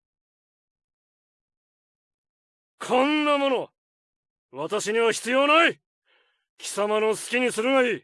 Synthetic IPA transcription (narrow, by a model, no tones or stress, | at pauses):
kʰõnːamo̞no̞ | βat̪aɕiɲ̟iβaçʲi̥t͡sɨjo̞ːnai | kʲi̥samano̞sɨ̥kʲiɲ̟isɨɾɯ̟ɡaiː